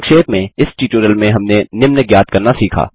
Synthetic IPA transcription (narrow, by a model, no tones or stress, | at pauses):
kʃeːt̪mẽɪsʈiːʈuːɾəlmẽɦɐmnenɪmnəɡjaːt̪kɐɾnasiːkʰa̰ː